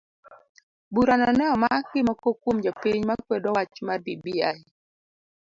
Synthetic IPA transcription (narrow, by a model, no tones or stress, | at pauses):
buɾanɔnɛɔmakɪmɔkokwomd͡ʒɔpiɲmakwedɔwat͡ʃmadibiai